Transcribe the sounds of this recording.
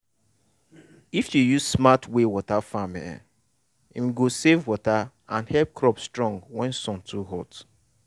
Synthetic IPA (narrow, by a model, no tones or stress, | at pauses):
ifjujuzsmatwewɔtafamɛ̰ | ĩm̩ɡosevwɔta | ãnhɛlp̚kɾɔpstɹɔ̃ŋɡwɛ̃nsɔ̃ntʰuɦɔt